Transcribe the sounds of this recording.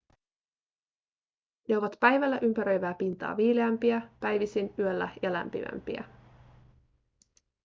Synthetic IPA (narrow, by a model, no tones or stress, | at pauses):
ne̞o̞ʋɑt̪pæjʋælːæʔympæɾø̞jʋæːpint̪ɑ̰ːʋiːleæmpiæpæjʋisinyølːæ̰jɑlæ̰mpḭmæ̰mpḭæ̰